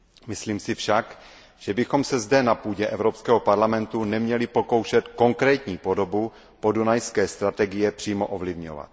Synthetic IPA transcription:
mɪsliːmsɪfʃak | ʒ̥ɛbɪxo̞msɛzdɛnapuːɟɛʔɛvɾopskɛːɦo̞paɾlamɛnt̪unɛmɲɛlɪpo̞ko̞wʃɛt̪ko̞ŋkɾɛːt̪ɲiːpo̞do̞bu | po̞dunajskɛːst̪ɾat̪ɛɡɪjɛpr̥iːmo̞ʔovlɪvɲo̰va̰t̪̚

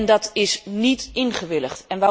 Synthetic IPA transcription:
ndɑtɪsnitɪnχəʋɪləχtɛnʋa

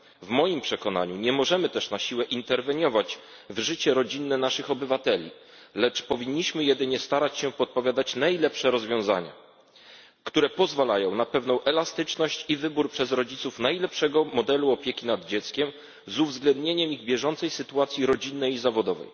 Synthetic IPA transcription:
vmɔjimpʂɛkɔna̰ɲuɲɛmɔʐɛmɘt̪ɛʂnaɕiwɛʔint̪ɛɾvɛɲɔvat͡ɕ | vʐɘt͡ɕɛɾɔd͡ʑinːɛnaʂɘxɔbɘvat̪ɛlʲḭ | lɛt͡ʂpɔvʲiɲːiɕmɘjɛd̪ɘɲɛst̪aɾat͡ɕɕɛpɔt̪̚pɔvʲjad̪at͡ɕnajlɛpʂɛɾɔzvʲjɔ̃w̃za̰ɲa̰ | kt̪uɾɛpɔzvalajɔ̃w̃napɛvnɔ̃w̃ʔɛlast̪ɘt͡ʂnɔɕt͡ɕivɘbuɾpʂɛzɾɔd͡ʑit̪sufnajlɛpʂɛɡɔmɔd̪ɛluɔpʲjekʲinad̪d͡ʑɛt̪skʲɛm | zuvzɡlɛnd̪ɲeɲɛmiɣbʲjɛʐɔnt̪sɛjsɘt̪uat̪sʲjiɾɔd͡ʑinːɛjizavɔd̪ɔvɛ̰j

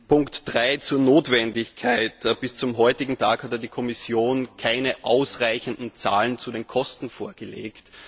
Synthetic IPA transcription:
pʊŋktd̥ʁaɪt͡suːɐnoːtvɛndɪçkʰaɪtb̥ɪst͡sʊmɦɔʏtɪɡŋ̩tʰaːkhatədiːkʰɔmɪsjoːnkʰaɪnəʔaʊsʁaɪçəndn̩t͡sa̰ːlənt͡sudeːnkʰɔstn̩foːɐɡ̥əlḛːkt

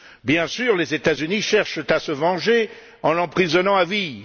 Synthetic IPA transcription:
bjɛ̃syʁlezet̪azyniʃɛʁʃt̪asəvɑ̃ʒe | ɑ̃lɑ̃pχizɔnɑ̃avi

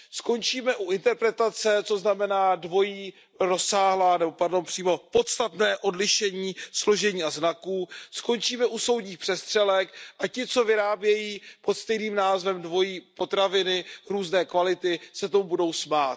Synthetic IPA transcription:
sko̞nt͡ʃiːmɛʔuʔɪnt̪ɛɾpɾɛt̪at͡sɛt͡so̞znamɛnaːdvo̞jiː | ɾo̞saːɦlaːnɛbo̞paɾdo̞npr̥iːmo̞po̞t̪st̪at̪nɛːʔo̞dlɪʃɛɲiːslo̞ʒɛɲiːaznakuːsko̞nt͡ʃiːmɛʔuso̞wd̪ɲiːxpr̥ɛst̪r̝̥ɛlɛkʔacɪt͡so̞vɪɾaːbjɛjiːpo̞t̪st̪ɛjniːmnaːzvɛmdvo̞jiːpo̞t̪ɾavɪnɪɾuːznɛːkvalɪt̪ɪsɛt̪̬omubudo̞wsmaːt̪

